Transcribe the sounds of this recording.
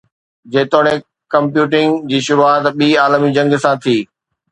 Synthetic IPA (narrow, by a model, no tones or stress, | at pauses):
d͡ʑeːt̪oːɽ̃ẽ | kɐ̃mpjuːʈɪ̃ŋɡd͡ʑiːʃʊɾuaːt̪ɓiːaːlmid͡ʑɐ̃ŋɡsãːt̪ʰiː